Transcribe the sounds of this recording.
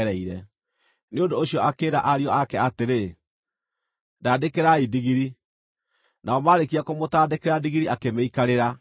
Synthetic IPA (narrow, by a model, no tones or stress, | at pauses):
ɾɛiɾɛ | neondoːɕiɔʔakeːɾaʔaɾiɔakɛateɾe | daːdekeɾaidiɣiɾi | naɔmaɾekiakomotaːdekeɾadiɣiɾiakemeikaɾeɾa